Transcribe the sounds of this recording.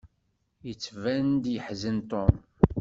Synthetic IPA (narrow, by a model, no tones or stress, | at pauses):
jət͡sːvænd̪jəħzənt̪ˤon